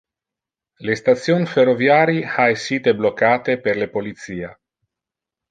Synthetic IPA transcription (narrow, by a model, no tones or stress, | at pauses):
lest̪at̪sjonferovjaːɾiaesːiːt̪eblokːaːt̪eperlepolit̪siːa